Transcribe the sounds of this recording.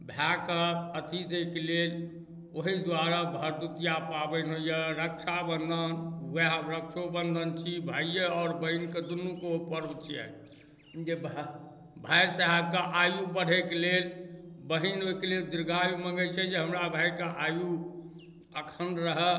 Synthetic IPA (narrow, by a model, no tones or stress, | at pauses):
bʱjakəət̪ʰit̪ekelel | oɦid̪waɾabʱəɾd̪ut̪ijapabɛnɦojəɾəkt͡ʃʰabənd̪ʱənɛɦbɾəkʃʰobənd̪ʱənt͡ʃʰibʱajəɔːɾbəɦinked̪unːukeupəɾbt͡ʃʰiɛ̰ | d͡ʒeb | bʱajsaɦɛb̚keʔajubəɽ̤ʱekelelbəɦinoikeleld̪iɾɡʱajuməŋɡət͡ʃʰɛd͡ʒeɦəmɾabʱajkeʔaju | əkʰənɾəɦɛ